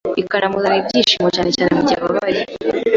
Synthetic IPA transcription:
ikaɾamuzanibɟiːʃimocaːnecaːnemuɟaβaβaji

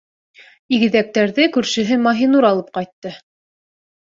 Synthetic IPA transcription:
iɡɘ̆ðæk̚t̪æɾðɘkʉɾʃɘ̆ɦɘmɑɦinuɾɑlˠɤp̚qɑjt̪ːɤ

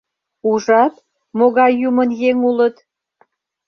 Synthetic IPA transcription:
uʒɑt̪ | moɣɑjːumənjeŋulət̪

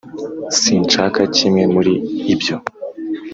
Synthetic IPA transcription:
siːnt͡ʃakacimŋe̞muɾiːbjo̞

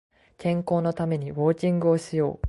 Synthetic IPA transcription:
kẽ̞ŋko̞ːno̞t̪ame̞ɲ̟iβo̞ːt͡ɕĩŋɡɯ̟o̞ɕijo̞̰ː

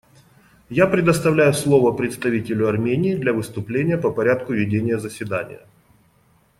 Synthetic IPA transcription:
japɾʲɪd̪əst̪ɐvlʲæjʊslˠo̞vəpɾʲɪt̪st̪ɐvʲitʲɪlʲʊɐrmʲenʲɪːd̪lʲɐvɨst̪ʊplʲenʲɪjəpəpɐɾʲat̪̚kʊvʲɪdʲenʲɪjəzəsʲvʲɪd̪anʲɪ̰jə̰

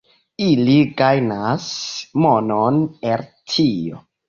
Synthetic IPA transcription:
iliɡajnasmononpeltʰio̰

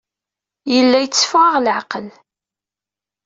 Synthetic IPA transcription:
jəlːæjət͡sːfʁɑʁlʕaqəl

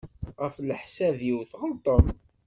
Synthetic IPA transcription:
ʁæfləħsæviwθʁəlt̪ˤəm

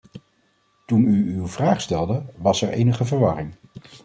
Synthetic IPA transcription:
tunyywvraːχstɛlˠdəʋɑsɛɹḛjnəχəvəɹʋɑ̰rɪŋ

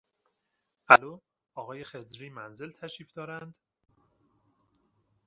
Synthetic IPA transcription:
ʔæloː | ɒːɣɒːje̞xe̞zɾiːmænze̞lt̪ʰæʃiːfd̪ɒːɾænd̪̥

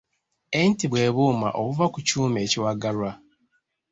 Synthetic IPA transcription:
entiβwe̞ːβuːma̰ʔoβuvakucuːmeːciwaɡalwa

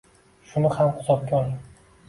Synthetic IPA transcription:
ʃʊnɪhamqʊ̥t̪ʰɒp̚ɡʲɒlˠɪ

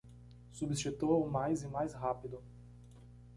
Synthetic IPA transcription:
subist͡ʃit̪uɐʊmajzɪmajsɦapid̪ʊ

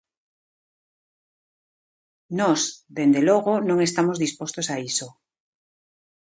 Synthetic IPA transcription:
nɔsðend̪eloɣ̞onõŋest̪amozðispost̪osaiso

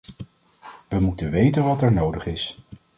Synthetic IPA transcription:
ʋəmutənʋejtənʋɑtɛɹnowdəχɪs

